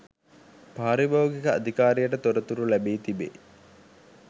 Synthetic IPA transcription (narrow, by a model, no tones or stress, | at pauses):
paɦːɾibaʋuɡikəɐ̰d̪ʱikaːɾijəʈət̪oɾət̪uɾulæbiːt̪ibḛ